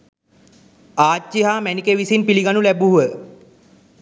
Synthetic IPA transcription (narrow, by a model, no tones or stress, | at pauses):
aːiɦaːmænikeʋisinpiliɡanulæbuɦuʋə